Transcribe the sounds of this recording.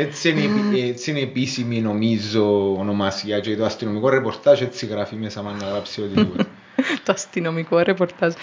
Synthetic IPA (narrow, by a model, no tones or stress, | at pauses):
et̪senept̪sinepisiminomizoːnɔmasjat͡ʃɛt̪uast̪inomikwɔrepoɾt̪at͡ʃɛt̪sikaɾafimesamaŋɡalapsiod̪iu | t̪uast̪inomikɔrepɔɾt̪ad͡ʒ